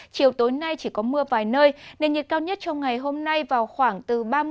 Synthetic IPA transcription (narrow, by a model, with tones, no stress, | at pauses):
t͡ɕi˨˩əwt̪o˨˦jna˧jt͡ɕi˧˩kɔ˨˦mɨ˧əvaː˨˩jnəː˧jne˧˩nɲi˨˩t̚kaː˧wɲə˦˥t̚t͡ɕɔ˧wŋ͡mŋa˨˩jɦo˧mna˧jvaː˨˩wxwaː˧˩ŋt̪ɨ˨˩ɓaː˧